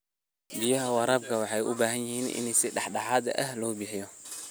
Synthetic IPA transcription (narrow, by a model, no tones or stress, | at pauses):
bɪjɐɦɐwɑɾaːbkʰɐwɑħɑjʔʊ̰baːɦɐnjɪhiːnɪ̰nɛjsɪɖɑħɖɑħaːd̪ɐ̰ʔɐhlɔːbɪħɪjɔ